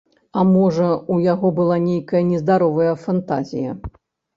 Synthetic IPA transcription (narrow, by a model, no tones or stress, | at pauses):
ɐmɔʐɐujaɣɔbɨlˠanʲejkɐjɐnʲɛzd̪aɾɔvɐjɐfant̪azʲḭjɐ̰